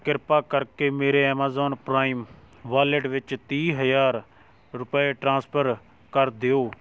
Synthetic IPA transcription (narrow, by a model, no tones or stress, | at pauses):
kɪɾpaːkəɾkeːmeːɾeːɛːmaːzɔːnpɾaːiːm | ʋaːleɖʋɪt͡ʃt̪iːɦəjaːɾ | ɾʊpeːʈɾãːspʰəɾ | kəɾd̪eoː